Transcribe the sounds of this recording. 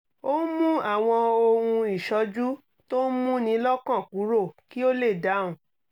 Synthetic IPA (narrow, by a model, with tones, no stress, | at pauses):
o˦mũ˦a˦˨w̃ɔ̃˧o˧hũ˧i˨ʃɔ˧d͡ʒu˦ | to˦n˦mũ˦nĩ˧˦lɔ˦kã˦˨ku˨˦ɾo˦˨ki˦o˦le˦˨da˨˦˨ũ˨